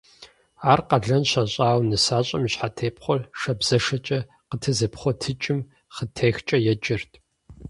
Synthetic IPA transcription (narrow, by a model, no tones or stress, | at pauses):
aːrqɐɮɐnɕaɕʼaːwnɨsaːɕʼɐmɕħatʰeːpχʷɔrʂɐbz̥ɐʂɐt͡ʃʼɐ | qətʰɨzɨpχʷɔtʰɨt͡ʃʼɪm | χətʰeːxt͡ʃʼɐjɛd͡ʒʼɪrtʰ